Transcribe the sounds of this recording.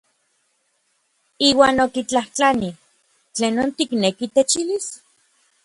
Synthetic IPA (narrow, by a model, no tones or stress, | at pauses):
iːwaːnokit͡ɬaht͡ɬani | t͡ɬeːnːoːnt̪iknekit̪et͡ʃilis